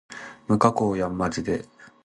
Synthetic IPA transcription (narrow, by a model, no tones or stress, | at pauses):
mɯ̟kakoːjamːad͡ʑid̪e̞